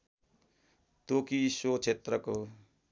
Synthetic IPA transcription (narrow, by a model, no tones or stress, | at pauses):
t̪okisot͡ʃʰet̪rʌko